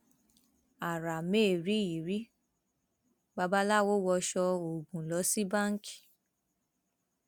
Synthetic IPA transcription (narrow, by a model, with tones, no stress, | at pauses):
a˨ɾa˨meː˦˨ɾi˨˦i˨ɾi˦ | ba˧ba˦la˦wo˦wɔ˧ʃɔ˧o˨ɡũ˨lɔ˨˦si˦bã˦˨ŋ̩˦ki̥˨